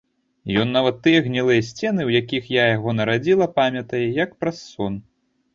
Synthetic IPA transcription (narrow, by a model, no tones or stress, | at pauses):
jɔnːavɐt̪ːɨjɐɣnʲilˠɨjɐsʲt͡sʲɛnɨwjakʲixjajaɣɔnɐɾad͡zʲilˠɐpamʲɐt̪ɐjɛjɐkpɾɐsːɔn